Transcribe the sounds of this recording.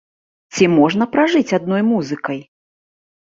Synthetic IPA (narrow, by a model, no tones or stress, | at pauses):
t͡sʲimɔʐn̪ɐpɾaʐɨt͡sʲad̪̚nɔjmuzɨkɐj